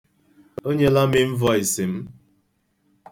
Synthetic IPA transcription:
o˦ɲe˦la˦mɪ˦ɱ̩˦vɔ˦i˨si˨m̩˦

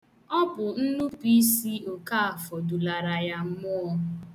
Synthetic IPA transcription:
ɔ˦pʊ˨n̩˦nu˦pi˦si˦o˨ka˦a˨fɔ˨du˨la˨ɾa˨ja˦m̩˦mʊ˦ɔ˦

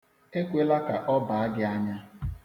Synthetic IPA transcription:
e˦kʷe˦la˦ka˨ʔɔ˦ba˨a˦ɡɪ˦a˦ɲa˦

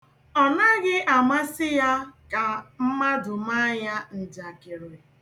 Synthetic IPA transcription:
ɔ˨na˦ɡɪ˦ʔa˨ma˦sɪ˦ja˦ka˨m̩˦ma˦dʊ˨ma˦ɲa˦n̩˨d͡ʒa˨kɪ˨ɾe˨

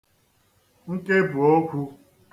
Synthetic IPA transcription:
ŋ̩˦ke˦bu˨o˦kʷʰu˦

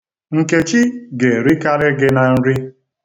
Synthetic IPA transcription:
ŋ̩˨ke˨t͡ʃi˦ɡe˨ɾi˦ka˦ɾɪ˦ɡɪ˦na˨n̩˦ɾi˦

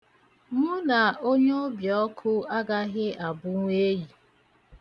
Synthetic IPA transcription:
mʊ˦na˨o˦ɲe˦bjɔ˦kʰʊ˦a˦ɡa˦ɣɪ˦ʔa˨bʊ˦ŋʷe˦ji˨

